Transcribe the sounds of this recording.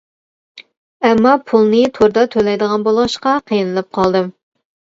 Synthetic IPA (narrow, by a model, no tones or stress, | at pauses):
ɛmːɑpʰulˠnɨt̪ʰoɾd̪ɑt̪ʰølɛjd̪əʁɑnbolˠʁɑʃqɑqʰijɨnɨlˠɪp̚qʰɑlˠd̪ɨm